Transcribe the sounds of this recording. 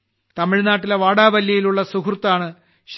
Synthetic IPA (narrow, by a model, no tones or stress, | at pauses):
t̪ɐmiɻnaːʈːileʋaːɽaːʋɐljɐjiluɭːɐsukrut̪ːaːɳɨ | ɕ